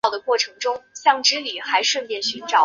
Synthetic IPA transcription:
ʊd̪ə˩kwɔ˥˩ʈ͡ʂʰɤ˧˥ŋʈ͡ʂʊ˥ŋɕjɑ˥˩ŋʈ͡ʂɻ̩˧˥li˨˩xa˧˥ɪʂwə˥˧npjɛ˥˩nɕy˧˥nʈ͡ʂɑ˨˩˦

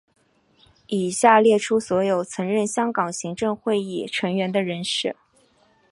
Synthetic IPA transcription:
i˨˩ɕja˥˧ljɛ˥˩ʈ͡ʂʰu˥swɔ˧˥jo˨˩ʊt͡sʰɤ˧˥ŋɻə˥˩nɕjɑ˥ŋkɑ˨˩ŋɕi˧˥ŋʈ͡ʂɤ˥˧ŋxwe˥˧ɪi˥˩ʈ͡ʂʰɤ˧˥ŋɥɛ˧˥nd̪ə˧ɻə˧˥nʂɻ̩˥˩

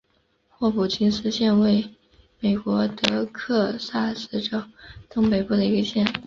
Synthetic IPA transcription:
xwɔ˥˩pu˨˩t͡ɕʰi˥nsɹ̩˥ɕjɛ˥˧nwe˥˩ɪ | me˨˩ɪkwɔ˧˥t̪ɤ˧˥kʰɤ˥˧sa˥˩sɹ̩˥ʈ͡ʂo˨˩ʊt̪ɤ˥ŋpe˧˩ɪpu˥˩d̪ə˩i˧˥ɡə˧ɕjɛ˥˩n

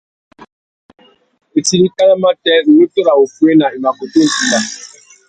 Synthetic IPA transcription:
e˨ti˨li˦ka˦la˦ma˦tɛ˦ɾ̩˨nu˦to˦ɾa˨o˨fu˦e˦na˨i˨ma˨ko˨to˦˨ti˨la˨

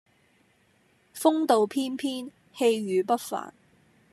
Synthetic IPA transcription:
fʊ˥ŋt̪o˨wpʰiː˥npʰiː˥n | he˧jɥyː˨˧pɐ˥t̚fa̰ː˨˩n

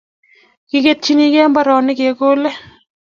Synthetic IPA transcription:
kɪke˦t̚t͡ʃini˦kɛː˦mbɐ˦ɾɔː˨nɪ˦keː˨koː˦le˦

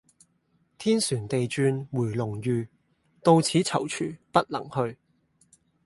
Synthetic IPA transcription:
t̪ʰiː˥nsyː˨˩nt̪e˨jt͡ʃyː˧nwuː˨˩jlʊ˨˩ŋjyː˨˧ | t̪o˧wt͡sʰiː˨˥t͡sʰɐ˨˩wt͡ʃʰyː˨˩pɐ˥t̚lɐ̰˨˩ŋhɵ˧ɥ

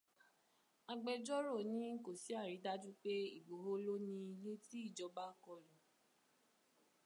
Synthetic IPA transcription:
a˧ɡ͡bɛ˧d͡ʒɔ˦ɾo˦˨nĩ˨˦ko˨si˨˦a˦˨ɾi˨˦da˦d͡ʒũ˦k͡pe˦i˦˨ɡ͡bo˨ɦo˦lo˦nĩ˧i˧le˦ti˦i˦˨d͡ʒɔ˨˦ba˦kɔ˧˨ɾũ˨

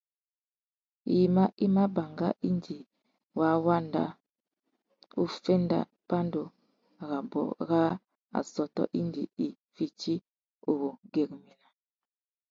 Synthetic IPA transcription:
i˨ma˦ʔi˦ma˦ba˨ŋɡa̰˦ʔi˦ndi˨ | wa˦wa˦nda̰˦ | u˦fe˦nda̰˦ | pa˦ndo˨ | ɣa˨bɔ̰˨ɣa˦ | a̰˨sɔ˨tɔ̰˦ʔi˦ndi˨i˨ | fi˨t͡ʃi˦ | o˨ɣo˨ɡe˨kmi˨na˨

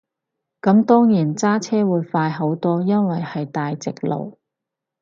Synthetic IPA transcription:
kɐ˨˥mt̪ɔː˥ŋjiː˨˩nt͡saː˥t͡sʰɛː˥wuː˨˧jfaː˧jɦo˨˥wt̪ɔː˥jɐ˥nwɐ˨jhɐ˨jt̪aː˨jt͡sɪ˨k̚lo̰˨˩w

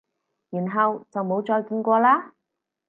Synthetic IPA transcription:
jyː˨˩nɦɐ˨wt͡sɐ˨wmo˨˥wt͡ʃɔː˧jkiː˧nkʷɔː˧laː˥

